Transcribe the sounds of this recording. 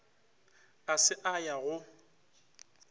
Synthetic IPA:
asɪʔajaɣʊ

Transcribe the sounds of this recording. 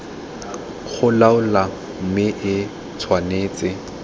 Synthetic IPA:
k͡xʰʊlaʊla | m̩mɪʔɪ | t͡sʰwaneːt͡sʼɪ

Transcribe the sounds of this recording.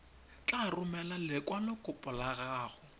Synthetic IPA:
t͡ɬʼarʊmɛlalɪkʼwanɔkʼʊpʼʊlaɣaːɣʊ

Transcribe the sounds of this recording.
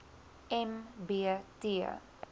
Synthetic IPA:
ɛmbeteə̰

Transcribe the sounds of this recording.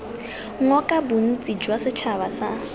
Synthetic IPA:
ŋ̩ɔkʼabʊn̩t͡sʼid͡ʒwasɪt͡ʃʰaβasa̰

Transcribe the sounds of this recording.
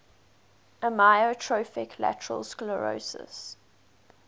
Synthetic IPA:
ʔəmaɪotʰɹofɪkʰlæ̰təɹə̰lˠskləɹo̰sɪ̰s

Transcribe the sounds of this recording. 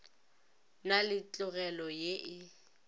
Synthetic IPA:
nalɪt͡ɬʼʊɣɛlɔjeʔɪ

